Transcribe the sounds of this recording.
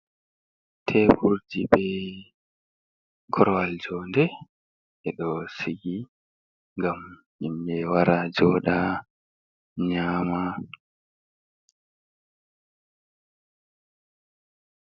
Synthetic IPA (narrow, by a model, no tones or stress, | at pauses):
tʰɛbuɾdiɓɛ | ɡɔɾɔwald͡ʒɔːndɛ | ʔɛɗɔsiɡi | ŋɡam | imːɛwaɾad͡ʒɔːɗa | ɲaːma